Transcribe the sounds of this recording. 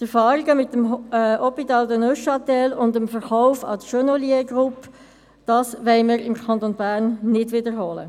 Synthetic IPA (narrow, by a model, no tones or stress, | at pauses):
tɛɾfɑːɾiɡəmɪtːəmɔpitɑːldənøʃɑtɛlʊndəmfəɾχɔʊfɑ̰təʃønoliəɡʁʊpː | d̥ɑːsʋɛɪməɾɪmkʰɑnt̪onbæːʁnːɪdʋɪdəɾɦoːlə̰